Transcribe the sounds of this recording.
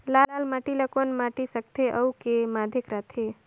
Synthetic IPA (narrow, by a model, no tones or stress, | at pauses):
lalaːlmaʈiləkonmaːʈisək̚t̪ʰeʔəwkemaːd̪ʱekɾat̪ʰe